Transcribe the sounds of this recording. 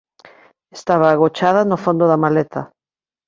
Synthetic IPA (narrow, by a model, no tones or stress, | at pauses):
est̪aβaːɣot͡ʃaðanofond̪oðamalet̪a